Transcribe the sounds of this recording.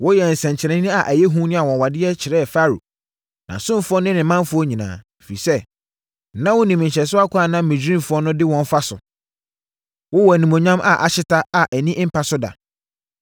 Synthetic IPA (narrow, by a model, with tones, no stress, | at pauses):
wʊ˦jɛ˨n̩˨sɛ̃˨ɲ˨t͡ɕʰɪ˨ɾɛ̃˨˦nɪ̃˦a˨ʔæ˨jɛ˦ɦũ˦nʊ̃˦a˨wɔ̃˨wa˨dɪ˦ɛ˦t͡ɕʰɪ˨ɾɛː˦˨fa˦ɾṵ˨ | nã̰˨sʊ̃˦m˨fʊ˦ɔ˦nɪ̃˦nɪ̃˨˦mã˦m˦fʊ˦ɔ˦ɲĩ˨nã̰ː˨fḭ˨sɛ˦ | nã˦wʊ˦nĩ˨mɪ̃˨ɲ˨ɕɛ˨sʊ˦a˦kʷʰa˨nã˦mɪ̃˨d͡ʑᶣĩ˦mfʊ˦ɔ˦nʊ̃˦dɪ˦wɔ̃˦n˦fa˦sʊ̰˨ | wʊ˦wɔ˨æ˨nĩ˨mõ˨ɲᶣã˦mʔa̰˨ʔa̰˨ɕɪ˦tʰa˦a˨ʔæ˨nĩ˦m̩˦pʰa˦sʊ˦da̰˨